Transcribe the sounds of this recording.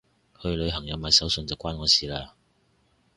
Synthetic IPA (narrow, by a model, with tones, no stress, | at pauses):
hɵ˧ɥlɵ˨˧ɥɦɐ˨˩ŋjɐ˨˧wmaː˨˧jsɐ˨˥wsɵ˧nt͡sɐ˨wkʷaː˥nŋɔː˨˧siː˨˧laː˧